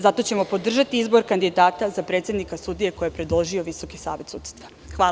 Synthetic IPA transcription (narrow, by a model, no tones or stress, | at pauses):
zat̪o̞t͡ɕe̞mo̞po̞d̪r̩ʒat̪iizbo̞ɾkand̪id̪aːt̪azapɾe̞t̪sjed̪nikasud̪ije̞ko̞jepɾed̪lˠoʒio̞ʋiso̞kisa̰ːʋe̞t̪sut̪ʲst̪ʋḁ | xʋaː